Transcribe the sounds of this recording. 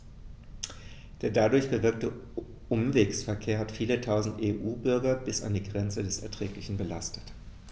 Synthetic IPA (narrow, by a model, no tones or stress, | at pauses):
d̥eːɐdadʊɐçb̥əvɪɐk̚tə | ʔʊmveːksfɛɐkʰeːɐhatfiːlətʰaʊzn̩tʔeːʔuːbʏɐɡɐbɪsa̰ndiːɡʁɛnt͡sədɛsɛ̰ɐtʁ̥ɛːklɪçn̩bəlastə̥t